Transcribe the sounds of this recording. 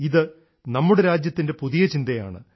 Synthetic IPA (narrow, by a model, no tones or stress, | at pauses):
iðɨ | nɐmːuɽeɾaːd͡ʑjɐt̪ːinde̞puðijɐt͡ɕind̪ɐja̰ːɳɨ̰